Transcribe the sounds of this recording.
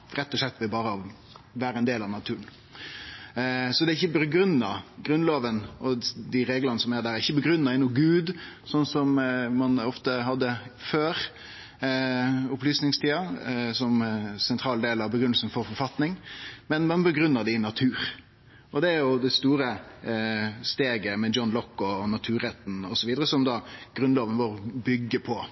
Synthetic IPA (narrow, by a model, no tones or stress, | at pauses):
ɾɛt̪ːɔʂɭɛt̪ːʋɛbɑːɾəɑʋ | ʋæːɾəɛnd̪eːlɑʋnɑt̪ʰʉːɾən | sɔd̪ɛɾɪçːəbəɡɾʉnːɑɡɾʉnloːʋənʔɔd̪ɪɾeːɡlɑnəsɔmæɾd̪æːɾæɾɪçːəbəɡɾʉnːɑɪnʊɡʉːd̪sɔnːsɔmmɑnɔft̪əɦɑd̪ːəføːɾ | ʊplyːsnɪŋst̪iːɑsɔmsɛnt̪ʰɾɑːld̪eːlɑʋbəɡɾʏnəlsən̩fɔɾfɔɾfɑt̪nɪŋmɛnmɑnbəɡɾʉnːəd̪ɪnɑt̪ʰʉːɾ | ʔɔd̪ɛæɾjʊd̪ɛst̪uːɾə | st̪eːɡəmɛjɔnlɔkːɔnɑt̪ʰʉːɾɛt̪ːn̩ɔsɔʋiːd̪əɾəsɔmd̪ɑːɡ̥ɾʉnloːʋənʋoːɾbʏɡːəpʰɔ